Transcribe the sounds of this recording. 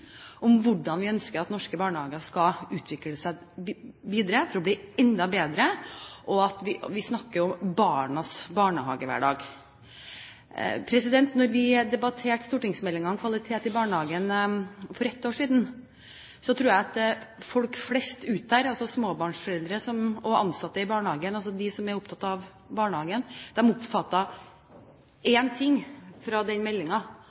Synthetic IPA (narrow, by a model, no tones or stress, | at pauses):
ʔɔmʋʊɖɑnʋɪœnskəɾɑt̪nɔʂkəbɑːɳəhɑːɡɑskɑʉːt̪ʰʋɪkləsæɪ | ʋiːd̪əɾəfɔɾɔbliːɛnd̪ɑbeːd̪ɾəʔɔɑt̪ʋɪʋɪsnɑkːəɾjɔmbɑːɳɑsbɑːɳəɦɑ̰ːɡəʋæ̰ːɖɑ̰ːɡ | pʰɾɛsɪd̪ɛnt̪nɔɾʋɪd̪ɛbɑt̪ʰeːʈst̪uːʈɪŋsmɛlːɪŋɑŋkʰʋɑlɪt̪ʰeːt̪ɪbɑːɳəhɑːɡənfɔɾɛt̪ːoːʂiːd̪n̩ | sɔt̪ʰɾuːjæɪɑt̪fɔlkflɛst̪ʉːt̪̚d̪æɾɑlsɔsmoːbɑːɳʂfɔɾɛld̪ɾəsɔmɔʔɑ̰nsɑt̪ːəɪbɑːɳəhɑːɡənɑls̬ɔd̪ɪsɔmɛɾʊpt̪ʰɑt̪ːɑʋ | bɑːɳəhɑːɡənd̪̥ɛmʊpfɑt̪ːɑ | ɛːnt̪ʰɪŋːfɾɑd̪ɛnmɛlːɪŋɑ